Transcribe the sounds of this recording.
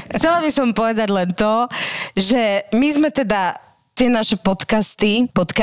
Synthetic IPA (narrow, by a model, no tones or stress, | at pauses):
xt͡sɛlabisɔmpɔʋɛd̪aɟlɛnt̪ɔʒɛmizmɛt̪ɛd̪a | t̪ɪɛnaʃɛpɔt̪kast̪ipɔt̪ka